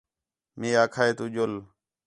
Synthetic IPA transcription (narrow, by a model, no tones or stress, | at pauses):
meːaːkʰaːeːt̪uːʄol